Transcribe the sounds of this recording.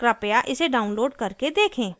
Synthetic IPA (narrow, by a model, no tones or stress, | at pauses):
kɾaːpejaʔɪseɖaːʊnloːɖkɐɾked̪eːkʰẽː